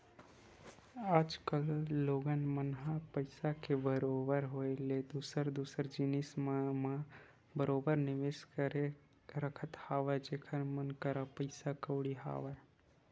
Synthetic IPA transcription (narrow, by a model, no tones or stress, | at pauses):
aːd͡ʒkəlːoːɡənmənɦapəɪsakebəɾobəɾɦoeled̪usəɾd̪usəɾd͡ʒinismma | bəɾobəɾnɪʋeskəɾe | ɾəkʰət̪haːʋad͡ʒeːkʰənmənkəɾapəɪsakəʊɽiɦa̰ʋa